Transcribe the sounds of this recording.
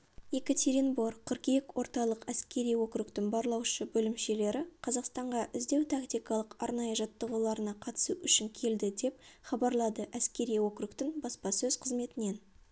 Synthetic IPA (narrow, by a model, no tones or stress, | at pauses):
jekat̪ʰʲeɾʲinboɾqʰəɾkekwo̞ɾt̪ɑlˠəqæskʲe̞ɾijwo̞kɾukt̪ɪŋbɑɾlˠɑwʃəbɵlɪmʃe̞le̞ɾɪqʰɑzɑqst̪ɑɴʁɑʔɪzd̪e̞wt̪ʰakt̪ijkɑlˠəqɑɾnɑjəʒɑt̪ːəʁəlˠɑɾənɑqʰɑt̪ə̥suʔʏʃɪŋkʲʰe̞ld̪ɪd̪e̞p̚χɑbɑɾlˠɑd̪əʔæskʲe̞ɾijwo̞kɾukt̪ɪŋbɑspɑsɵzqʰəzme̞t̪ɪne̞n